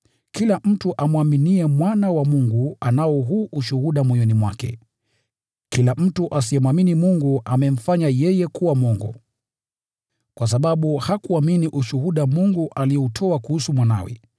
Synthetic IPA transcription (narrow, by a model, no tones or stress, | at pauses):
kilam̩tuʔamwaminiɛmwanawamuŋɡuanaɔɦuːʔuʃuhuɗamwɔjɔnimwakɛ̰ | kilam̩tuʔasiɛmwaminimuŋɡuʔamɛm̩faɲajɛjɛkuwamɔŋɡɔ̰ | kwas̬aɓaɓuhakuaminiʔuʃuhuɗamuŋɡuʔaliɛutʰɔakuhusumwana̰wɛ̰